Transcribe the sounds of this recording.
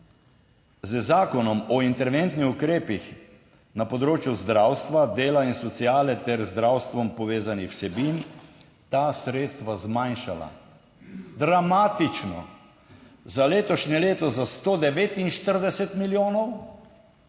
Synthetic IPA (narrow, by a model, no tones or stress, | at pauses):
zəzaːkɔnɔmɔint̪ɛɾʋent̪nixukɾeːpix | napɔd̪ɾoːt͡ʃjuzd̪ɾawst̪ʋad̪eːlainsɔt̪siaːlɛt̪ɛɾzd̪ɾawst̪ʋɔmpɔʋeːzanixwsɛbin | t̪asɾeːt̪st̪ʋazmajnʃala̰ | d̪ɾamaːt̪it͡ʃnɔ̰ | zaleːt̪ɔʃnɛleːt̪ɔzast̪oːd̪ɛʋeːt̪inʃt̪əɾd̪ɛsɛt̪miljoːnɔw